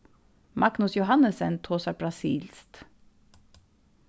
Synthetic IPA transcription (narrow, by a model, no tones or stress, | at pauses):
mʔɑɡnʊsjʊhɑnəsɛnt̪ʰoːsɑbɾɑsḭːlst̪